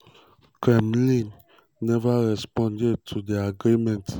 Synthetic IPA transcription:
kʰɹɛ̃mlĩnː | ɛvaɹɛspɔ̃ndɛdtʰudeaɡɾimɛ̃nt

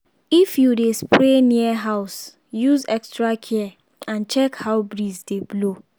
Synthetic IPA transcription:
ifjudespɾeniaɦaʊs | juzɛkstɹakʰiɛ | ãnt͡ʃɛkhaʊbɾizdeblo

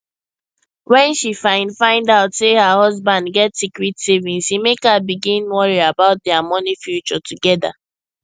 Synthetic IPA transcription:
wɛ̃nʃifãɪ̃ndfãɪ̃ndaʊtsehəhɔzbãndɡɛtsikɹitsivĩnsimekabiɡĩnwɔɹiabaʊt̚dɛamɔnifjut͡ʃɔtuɡɛda̰

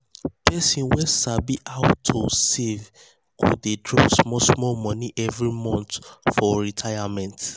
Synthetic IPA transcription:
pʰɛsĩnwɛ̃sabiʔaʊtʰːosev | kʰṵdedɹɔsmɔsmɔlmɔ̃niʔɛvɹimɔ̃ntfɔɹitʰajamɛ̃nt

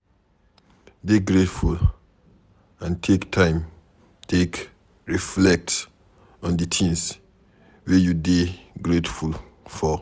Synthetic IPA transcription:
deɡɹetful | ãntʰektʰãɪ̃m | tʰek | ɹiflɛk̚ts | ɔ̃ndətʰĩŋs | wejudeɡɹetful | fɔ

